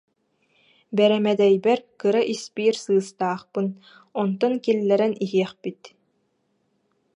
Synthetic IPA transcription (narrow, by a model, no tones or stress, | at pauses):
bɛɾɛmɛd̪ɛjbɛɾkɯɾaʔispiːɾsɯːst̪aːχpɯn | ɔnt̪ɔŋkilːɛɾɛniɦiɛχpit̪